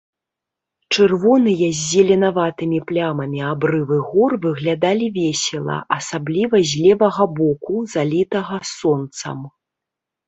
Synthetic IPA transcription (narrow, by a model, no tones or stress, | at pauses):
t͡ʂɨrvɔnɨjɐzʲːɛlʲɛnavat̪ɨmʲiplʲamɐmʲiabɾɨvɨɣɔrvɨɣlʲad̪alʲivʲɛsʲɛlˠɐ̰ʔɐsablʲivɐzʲlʲɛvɐɣɐbɔkuzalʲit̪ɐɣɐsɔnt̪sɐ̰m